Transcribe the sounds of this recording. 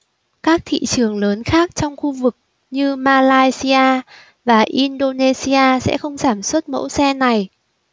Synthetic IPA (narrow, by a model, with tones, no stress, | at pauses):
kaː˦˥k̚t̪ʰḭ˧˨t͡ɕɨ˨˩əŋləː˨˦nxaː˦˥k̚t͡ɕɔ˧wŋ͡mxu˧vɨ˨˩k̚ | ɲɨ˧maː˧laː˧jsi˧aː˧ | vaː˨˩ʔi˧nɗo˧ne˧si˧aː˧sɛ̰˧˥xə˧wŋ͡mzaː˧˩mswə˦˥t̚mə̰˧˥wsɛ˧na˨˩j